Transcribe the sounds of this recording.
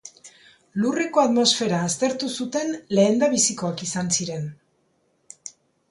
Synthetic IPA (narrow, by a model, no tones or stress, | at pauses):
lure̞ko̞at̪mo̞sfe̞ɾaːst̪e̞ɾt̪usut̪e̞nle̞ːnd̪aβisiko̞akisansiɾe̞n